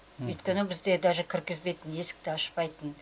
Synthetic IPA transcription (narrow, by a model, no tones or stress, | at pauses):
ɵjt̪kʲenɪbɪzd̪e̞d̪ɑʒəkʲʰɪɾkʲɪzbe̞jt̪ɪne̞sɪ̥k̚t̪ɪɑʃpɑjt̪ən